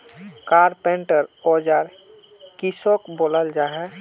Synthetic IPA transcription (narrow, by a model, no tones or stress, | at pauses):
kaːɾpɛ̃ɳʈəɾɔd͡ʒaːɾ | kisokboːləld͡ʒaɦɛ